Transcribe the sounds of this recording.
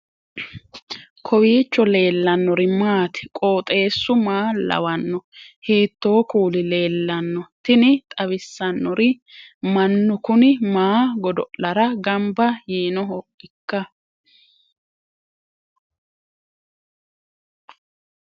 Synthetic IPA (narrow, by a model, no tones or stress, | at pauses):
kʰɔwiːt͡ʃːɔle̞ːlːɐnːɔɾɪmaːt̪ɪ̥kʼo̞ːt̪ʼe̞ːsːʊmaːlɐ̰wɐnːɔhiːt̪ːoːkuːlɪle̞ːlːɐnːɔt̪ɪnɪt̪ʼɐbɪsːɐnːɔɾɪ | mɐnːʊkʊnɪmaːɡɔd̪ɔʔlɐɾɐɡɐmbɐjiːnɔhɔʔɪkːɐ